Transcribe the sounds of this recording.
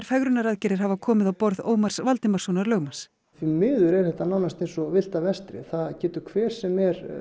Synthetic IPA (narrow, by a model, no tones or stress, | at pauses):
ɾ̥fɛɣɾʏnaɾaðcɛɾɪɾ̥havakʰɔːmɪðawpɔɾðo̰ːwmar̥svalt̪ɪmarsonaɾlœːɥɣmans | θvimɪːðʏɾɛɾ̥θɛht̪anawnast̪ejnsɔvɪl̥t̪avɛst̪ɾɪ̰θaðcɛːt̪ʏɾ̥kʰvɛːɾ̥sɛmɛɾ